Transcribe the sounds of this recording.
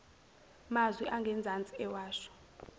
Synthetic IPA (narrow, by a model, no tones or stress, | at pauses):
mazwiʔaŋɡʱɛnd͡zʱant͡sʼiɛwaːʃɔ̥